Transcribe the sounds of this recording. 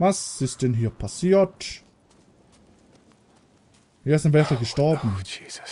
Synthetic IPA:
vasɪstd̥ɛnɦiːɐpʰasiːɐt | aɐɪstɪnvɛɐfalɡəʃtɔɐbm̩

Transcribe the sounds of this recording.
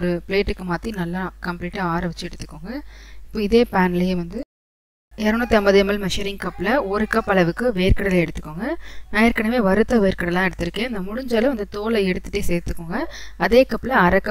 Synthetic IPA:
ɔɾɯpɪleːʈːɯkːɯmaːt̪ːinɐlːãkɐmpliːʈːɐaːɾɐʋɪt͡ʃːɯɛɽɯt̪ːɯ̥kːoːŋɡɐɪpːoːɪðeːpaːnɐlɐjeʋɐnd̪ɯ | eːɾɐnõt̪ɐmbɐðemɐlmɛʂɪɾɪŋkɐpːɪlɐɔɾɯkɐpːɐɭɐʋɯkːɯʋeːɾkɐɽɐlɐɛɽɯt̪ːɯ̥kːoːŋɡɐnãːɪɾkːɐɳɐmeːʋɐɾɯt̪ːɐʋeːɾkɐɽɐlːãːɛɽɯt̪ːɪɾɯkːẽːɪnd̪ɐmʊɻʊɲd͡ʒɐlɐ̃ʋɐnd̪ɯt̪oːlɐɛɽɯt̪ːɯʈːeseːɾt̪ːɯkːoːŋɡɐɐðeːkɐpːlɐɐɾɐkːɐ

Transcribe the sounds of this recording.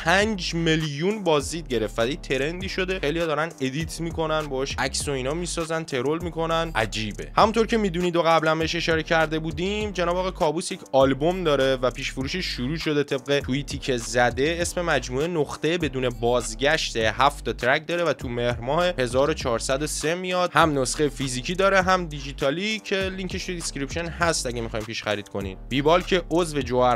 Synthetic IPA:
pʰænd͡ʒmeljunbɒːzd̪iːd̪̚ɟe̞ɾe̞fæd̪it̪ʰe̞ɾe̞nd̪iːʃo̞d̪e̞xejlijɒːd̪ɒːɾæne̞d̪it̪ʰmiːko̞nænbɒːɔʃʔæcso̞iːnɒːmiːsɒːzænt̪ʰe̞ɾo̞lmiːkʰo̞nænʔæ̰d͡ʒiːbe̞hæmunt̪ʰo̞ɾcʰe̞miːd̪uniːd̪oɣæblænbeeʃe̞ʃɒːɾe̞cʰæɾd̪e̞buːd̪imd͡ʒenɒːbːɣekʰɒːbuːsjecʰɒːlbo̞md̪ɒːɾevæpʰiːʃfuɾuːʃeʃːuɾuːʃo̞d̪e̞t̪ʰe̞b̚ɢe̞tʰuiːt̪ʰiːcʰe̞zæd̪e̞esme̞mæd͡ʒmuːenoχt̪e̞jebe̞d̪uːne̞bɒːzɟæʃt̪ehæft̪ɒt̪ʰɾæc̚d̪ɒːɾe̞væt̪ʰume̞hɾmɒːhehe̞zɒːɾo̞t͡ʃʰɒːɾsæd̪ose̞mijɒd̪̚hæmnosχejefiziːcʰiːd̪ɒːɾe̞ɦæmd̪id͡ʒiːt̪ʰɒːlicʰe̞liŋcʰeʃt̪ʰuiskʲɾipʃo̞nɦæst̪ʔæɟʲemixɒːjmpiːʃχæɾiːd̪̥̚kʰo̞nḭːmb̥iːbɒːlcʰe̞ʔozve̞d͡ʒoæ

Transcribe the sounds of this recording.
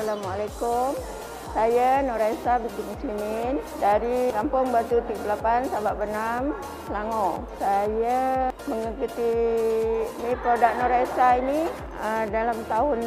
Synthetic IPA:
alamalakum | sajanoɾaesabid̪umsinindaɾikampʊŋbat̪ut̪iɡəplapansabaʔbənam | səlaŋo | sajaməŋəkut̪i | nipɾodaʔnoɾaesaini | ədalamt̪aɦʊn

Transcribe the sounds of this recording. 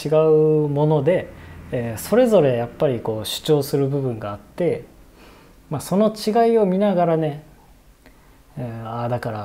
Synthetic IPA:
iɡaɯ̟mo̞no̞d̪e̞ː | so̞ɾe̞zo̞ɾe̞japːaɾʲiko̞ːɕɨ̥t͡ɕo̞ːsɨɾɯ̟bɯ̟bɯ̟̃ŋɡaːt̪ːe̞ | maso̞no̞t͡ɕiɡaio̞mʲinaɡaɾane̞ | ad̪akaɾa

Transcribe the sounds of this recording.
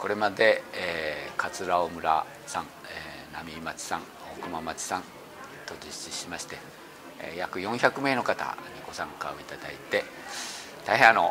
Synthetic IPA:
ko̞ɾe̞mad̪e̞ː | kat͡sɨɾaomɯ̟ɾa̰ | sãŋ | eːnamʲimat͡ɕi̥sãŋ | okɯ̟mamat͡ɕi̥sãn | t̪o̞d͡ʑi̥ɕiɕimaɕi̥t̪e̞ | jakɯ̟jõ̞ɰ̃çakɯ̟me̞ːno̞kat̪a̰ɲ̟iɡo̞sãŋkaoit̪ad̪ait̪e̞ | t̪aiɦẽano̞

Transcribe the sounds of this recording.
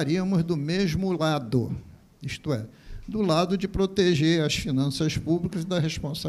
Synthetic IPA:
aɾiɐmʊzd̪ʊmeʒmʊlad̪ʊ̰ | ist̪ʊɛd̪ʊlad̪ʊd͡ʒɪpɾot̪eʒeɾɐsfinɐ̃sɐspublikɐzd̪ɐɦeʃpõsa

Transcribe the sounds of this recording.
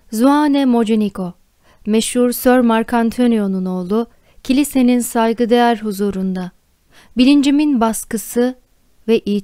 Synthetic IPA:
zuanɛmo̞d͡ʒenikʰo̞ | mɛʃhuɾsøɾmaɾkʰant̪ʰonijo̞nuno̞ːlˠu | cʰilʲise̞ninsajɡɯd̪ejæɾɦuzuːɾund̪a | bilʲind͡ʒiminbaskɯsɯ | vɛʔiː

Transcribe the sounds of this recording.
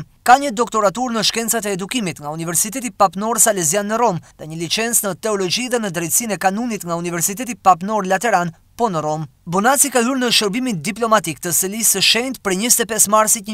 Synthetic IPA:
kaɲəd̪ɔkt̪ɔɾat̪uɾnəʃkɛnt͡sat̪ɛːd̪ukimit̪ŋɡaunivɛɾsit̪ɛt̪ipapnɔɾsalɛzjanːəɾɔmðɛɲəlit͡ʃɛnt͡snət̪ɛɔlɔd͡ʒiðɛnəd̪ɾɛjt̪sinɛkanunit̪ŋɡaunivɛɾsit̪̬ɛt̪ipapnɔɾlat̪ɛɾan | pɔnəɾɔmbɔnat͡sikaɦyɾnəʃəɾbimind̪iplɔmat̪ikt̪əsəlisəʃɛnt̪pɾɛɲəst̪ɛpɛsmaɾsit̪ɲ

